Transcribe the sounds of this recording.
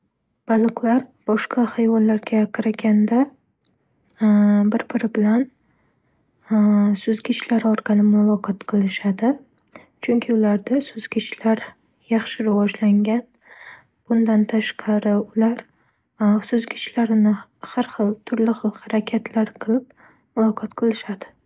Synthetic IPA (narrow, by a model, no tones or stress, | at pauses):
b̥alˠɨqlaɾb̥ɒʃqʰɑhajvɒlːaɾɡʲakʰɪɾaɡʲand̪a | bɪɾbɪɾɪbɪlan | sɵzɡʲɪt͡ʃlaɾɒɾqʰɑlɪmʊlˠɒqʰɒt̪qʰɨlˠɪʃad̪ɪ | t͡ʃʰʊŋkʲʰɪʊlaɾd̪asɵzɡʲɪt͡ʃʰlaɾ | jɑχʃɪɾavɒd͡ʒlaŋɡʲan | b̥ʊnd̪ant̪ʰaʃqʰɑɾɪʊlaɾ | sɵzɡʲɪt͡ʃlaɾnɪhaɾχɨlˠt̪ʰʊɾlɪχɨlˠhaɾakʲʰat̪ʰlaɾqʰɨlˠɪp̚ | mʊlˠɒqʰɒt̪qʰɨlˠɪʃad̪ɪ